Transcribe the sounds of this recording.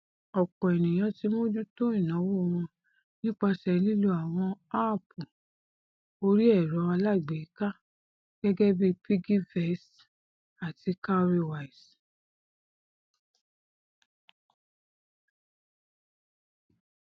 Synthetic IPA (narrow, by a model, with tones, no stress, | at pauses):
ɔ˨kɔ˨ɛ˨nĩ˨j̃ã˧ti˨˦mõ˦d͡ʒu˦to˦ĩ˦˨nã˨˦wo˦˧w̃ɔ̃˧ | nĩ˦k͡pa˧sɛ˧li˦lu˧˦a˨w̃ɔ̃˧a˦˨pu˨ | o˧ɾi˦ɛ˦˨ɾɔ˨˧˦a˧la˦˨ɡ͡be˨i˦ka˦ | ɡ̥ɛ˦ɡɛ˦bi˦pi˦ɡi˦vɛ˨˦s | a˨ti˧˦ka˦˧ɾe˧wa˨i˨s